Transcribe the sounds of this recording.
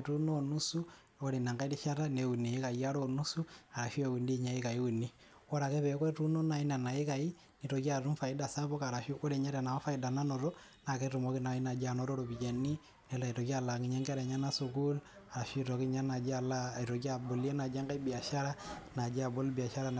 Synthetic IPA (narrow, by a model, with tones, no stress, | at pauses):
tu˦no˦nu˦su˦ | ɔ˦ɾe˨na˨ŋɡa˦i˦ti˦ʃa˦ɾa˦ne˨u˨ni˨˦ka˨ja˦ɾo˦nu˦su˦a˨ɾa˨ʃi˦a˨u˨ndi˦ɲa˨˦i˦ka˨i˦u˨ni˦ | wɔ˦ɾa˨kɛ˦pɛ˨˦kɔ˦tu˦no˦na˨i˦na˨na˨i˦ka˨i˦ | ni˨tɔ˨ki˦a˨ɾu˦mfa˨ɪ˦da˦sa˦bɔ˦ka˨ɾa˨ʃu˦ɔ˦ɾe˨ɲa˦ɾɛ˨na˨ma˦fa˦i˨da˨na˦nɔ˨ɾɔ˦ | na˨kɛ˦ɾu˨mo˦ki˦na˨i˦na˨d͡ʒa˨nɔ˦ɾɔ˦ɾo˨bi˨d͡ʒe˨ni˦ | nɛ˨la˨i˨to˨ki˦a˨la˨ŋi˦ɲa˦ŋɡa˦ɾɛ˨ɲa˦na˦su˨ku˦l | a˨ɾa˨ʃtɔ˨ki˦ɲa˦na˨d͡ʒa˨la˦˨i˨ɾɔ˨k̬i˦a˨bo˨li˦e˦na˨d͡ʒa˦ŋɡa˦i˦bi˨a˨ʃa˦ɾa˦na˨d͡ʒi˦a˨bo˦lbi˨a˨ʃa˦ɾa˦n